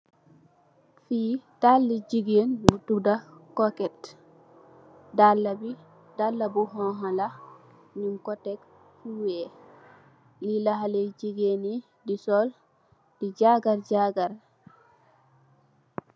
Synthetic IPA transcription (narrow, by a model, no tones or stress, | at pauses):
fiːtalːid͡ʒiɡenbutudakɔkɛt | dalːabi | dalːabuɦɔɦala | nimkɔtɛk | fuwɛ | lilaɦalɛd͡ʒiɡeni | disɔl | d̥id͡ʒaɡaɾd͡ʒaɡaɾ